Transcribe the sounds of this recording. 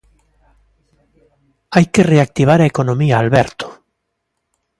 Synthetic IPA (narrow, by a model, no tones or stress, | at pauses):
ajkereak̚t̪iβ̞aɾaekonõmiaːlβeɾt̪o̥